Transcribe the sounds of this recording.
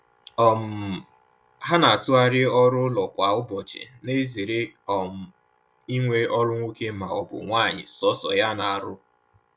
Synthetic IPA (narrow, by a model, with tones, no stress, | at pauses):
ɔ˨m̩˨ | ɦa˦na˨tʊ˦a˦ɾɪ˦ɔ˦ɾʊ˦lɔ˨kʷa˨ʊ˦bɔ˨t͡ʃɪ̰˨ne˦zi˨ɾe˦ɔ˨m̩˨ | i˦ŋʷe˦ɔ˦ɾʊ˦ŋʷo˦ke˦ma˨ɔ˨bʊ̰˨ŋʷaː˦˨ɲɪ̰˨sɔ˦sɔ̰˨ja˦na˨a˨ɾʊ˦